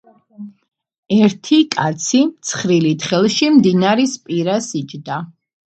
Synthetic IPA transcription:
ɛɾt̪ʰikʼat̪sʰimt̪sʰχɾilit̪ʰχɛlˠʃimd̪inaɾispʼiɾasid͡ʒd̪a

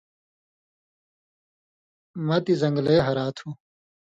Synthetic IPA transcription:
mɐt̪izɐŋɡleːɦɐɾaːt̪ʰu

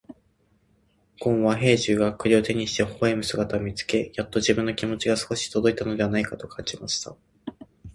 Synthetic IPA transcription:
ɡ̥õ̞ɰ̃βaɦe̞ːʑɨːɡakɯ̟ɾʲio̞t̪e̞ɲ̟iɕi̥t̪e̞hoe̞mɯ̟sɨɡat̪aomʲit͡sɨ̥ke̞jat̪ːo̞ʑibɯ̟̃nːokʲimo̞t͡ɕiɡasɨ̥koɕi̥t̪od̪o̞it̪ano̞d̪eanaikat̪o̞kʰãɲ̟d͡ʑimaɕi̥t̪a̰

